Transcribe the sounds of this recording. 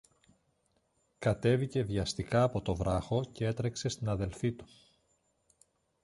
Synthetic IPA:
kɐt̪e̞vice̞ðʝɐst̪ikɐːpo̞t̪o̞vɾɐxo̞ce̞e̞t̪ɾe̞kse̞st̪inɐðe̞lfit̪u̥

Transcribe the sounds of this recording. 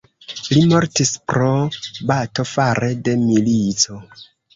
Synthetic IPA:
limo̞ɾtispɾo̞bato̞faɾede̞milit͡so̞

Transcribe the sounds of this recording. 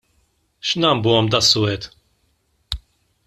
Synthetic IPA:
ʃnɐmbuːɔmd̪ɐsːʊɛt̪

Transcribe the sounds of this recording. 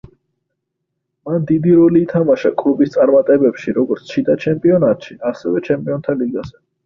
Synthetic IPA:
mand̪id̪iɾɔliːt̪ʰamaʃakʼlubist̪sʼaɾmat̪ʼɛbɛpʃiɾɔɡɔɾt̪sʰt͡ʃʰid̪at͡ʃʰɛmpʼiɔnat̪ʼʃiasɛvɛt͡ʃʰɛmpʼiɔnt̪ʰaliɡaz̥ɛ

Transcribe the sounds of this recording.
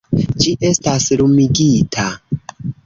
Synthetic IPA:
d͡ʒiʔe̞stasɾumiɡitʰa

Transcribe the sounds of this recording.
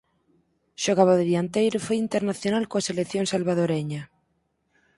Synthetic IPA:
ʃoɣ̞aβaðɪβjant̪ejɾofojint̪eɾnaθjonalkoaselekθjoŋsalβaðoɾeɲa

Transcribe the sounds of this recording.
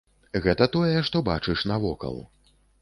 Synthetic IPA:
ɣɛt̪ɐt̪ɔjɛʂt̪ɔba̰t͡ʂɨʂnavɔkɐ̰lˠ

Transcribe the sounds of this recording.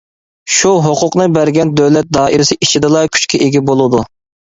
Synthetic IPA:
ʃuɦoqʰʊqnɨbæɾɡʲɛnd̪øwlɛt̪̚d̪ɑːʔiɾɪsɪʔit͡ʃʰid̪ɨlˠɑkʲʰy̥t͡ʃkʲɛʔeɡʲibolˠɨd̪u

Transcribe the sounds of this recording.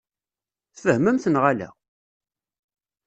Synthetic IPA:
θəhməmθənʁalæ̰

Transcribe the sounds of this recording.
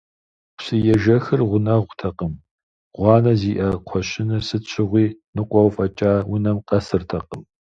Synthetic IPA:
sɨjɛʒɐxɨrʁʷʊnɐʁʷtʰɐqəm | ʁʷɑːnɐziːʔɐqʷʰɔʃɪnɐsɨɕʼʰɪʁʷiːnɨqʷʼɔwfʼɐt͡ʃʼaːwʊnɐmqʼɐsɨrtʰɐqʼəm

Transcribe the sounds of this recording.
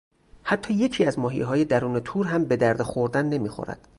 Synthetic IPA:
hæt̪ʰːɒːje̞cʰiːæzmɒːɦḭjɦɒːje̞d̪æɾuːnet̪ʰuːɾɦæmbe̞d̪æɾd̪exoɾd̪ænːe̞miːxo̰ɾæ̰d̪̥

